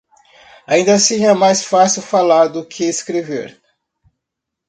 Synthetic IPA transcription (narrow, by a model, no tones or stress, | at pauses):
aĩnd̪ɐasĩɛmajsfasiwfalaɾd̪ʊkʰɪeskɾevḛɾ